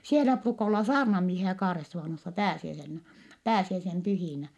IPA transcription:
sielæ pruːkɑ olːɑ sɑːrnɑmiehiæ kɑːresːuʋɑˑnosːɑ pæːsiæisenːæ pæːsiæisem pyhiˑnæ

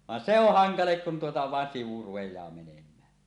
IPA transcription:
ʋɑn se oh hɑŋɑlek kun tuotɑ ʋɑˑen siʋu rupejˑɑː menemˑæː

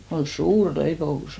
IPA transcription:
kon̞ suːr leipous

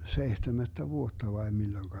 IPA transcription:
seihtemætːæ ʋuotːɑ ʋɑi milːoĭŋkɑ

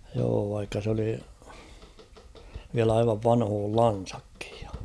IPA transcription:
joː ʋɑikːɑ s oli ʋiæl ɑiʋɑʋ ʋɑnhoːlːɑn̞sɑ̥kːi̥j̊ j̊ɑ̥

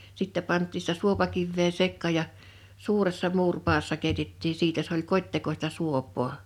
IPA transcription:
sitːɛ pɑntˑiː sĭtæ suopɑkiʋːeː sekːɑˑ jɑ suːresːɑ muːrpɑːsːɑ keˑitetːiː siːtæ s olʲ kotʲtekostɑ suopˑoː

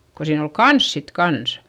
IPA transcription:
ko siːn ol kɑns sit kɑns

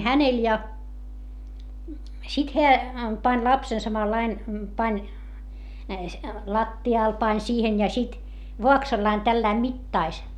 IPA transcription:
hænel jɑ sit heæ pɑnʲ lɑpsen sɑmɑlːɑin pɑnʲ lɑtːiɑˑl pɑnʲ siːhen jɑ sit ʋoɑksɑlːɑin tælːæi mitːɑis

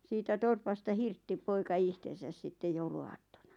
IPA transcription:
siːtæ torpɑstɑ hirtːi poikɑ ihtesæs sitːe jouluɑːtːonɑ

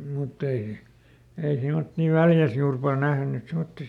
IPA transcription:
mutː ei ei semotːi ʋæljæs juːr pɑl næhny semotːi

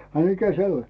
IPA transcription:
ɑ mikæ se olʲ

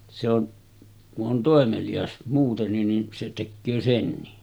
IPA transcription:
se on kuʔ ʔon toˑemelij̆ɑs muːtenːin nin se tekːøː senːi

